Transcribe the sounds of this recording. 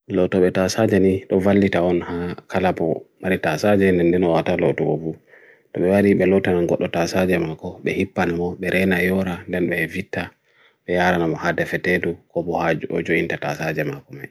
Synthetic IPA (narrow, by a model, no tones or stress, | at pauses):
lɔtɔɓɛtasad͡ʒɛniɗɔvalːitaɔnhakalapɔmaɾitasad͡ʒɛndɛndɛnɔwatalɔ̰tɔkɔ̰vu | ɗɔɓɛwaɾiɓɛlɔtananɡɔɗːɔtasad͡ʒɛmakɔɓɛhipːanamɔɓɛɾʔɛnajɔɾandɛnɓɛvitːa | ɓɛjaɾanamɔhadɛfɛtedukɔbɔhad͡ʒuɔ̰d͡ʒointatasad͡ʒɛmakɔmaj